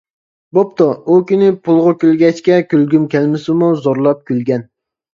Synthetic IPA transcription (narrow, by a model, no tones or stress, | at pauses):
bop̚t̪oukʲynɪpʰulˠʁʊkʲølɡʲɛt͡ʃkʲɛkʲølɡʲymkʲʰɛlmɪsɪmuzoɾlˠɑp̚kʲʰylɡʲɛn